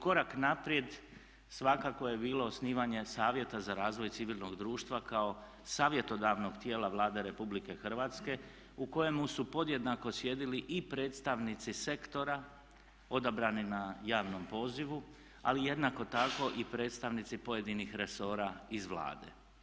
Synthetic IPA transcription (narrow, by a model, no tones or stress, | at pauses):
ko̞ɾaknapɾje̞d̪ | sʋakako̞je̞biːlo̞osniːʋaɲe̞saːʋje̞t̪azaɾaːzʋo̞jt̪siʋilno̞ɡd̪ɾuːʃt̪ʋakao̞ | saːʋje̞t̪o̞d̪aʋno̞ɡt̪je̞ːlaʋlˠaːd̪e̞ɾe̞publike̞xr̩ʋaːt̪ske̞ | uko̞je̞musupo̞d̪je̞d̪nako̞sje̞d̪iliʔipɾeːt̪st̪aʋnit̪sise̞kt̪o̞ɾa | o̞d̪abɾaninajaːʋno̞mpo̞ːziʋu | a̰lije̞d̪nako̞t̪ako̞ʔipɾe̞ːt̪st̪aʋnit̪sipo̞je̞d̪inixɾe̞so̞ːɾaizʋlˠa̰ːd̪e̞̰